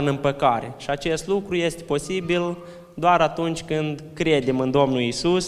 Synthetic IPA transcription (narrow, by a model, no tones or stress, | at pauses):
ɨnɨmpəkaɾe̞ʃiat͡ʃe̞st̪lukɾuje̞st̪epo̞sibil | d̪oaɾat̪unt͡ʃʲkɨnd̪kɾe̞d̪e̞mɨnd̪o̞mnulisus